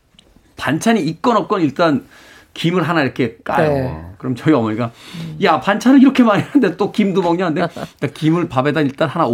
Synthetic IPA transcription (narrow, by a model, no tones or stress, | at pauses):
pant͡ɕʰaɲiːk̚k͈ʌnʌp̚k͈ʌniɭt͈an | kimɯɭɦanaiɾʌkʰe̞k͈a̰kɯɾʌmt͡ɕʌiʌmʌɲik͈ajapant͡ɕʰanɯɭiɾʌkʰe̞maɾianɯndet͈okimdomʌŋɲanɯndek͈akimɯɭpabe̞daiɭt͈anhanao